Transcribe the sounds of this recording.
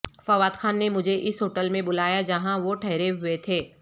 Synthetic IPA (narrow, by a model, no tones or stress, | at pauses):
fɐʋaːd̪xʰaːnːemʊd͡ʒʱeʔɪsɦoːʈəlmẽbʊlaːjad͡ʒɐɦãʋoʈʰɐɦɾeɦʊet̪ʰeː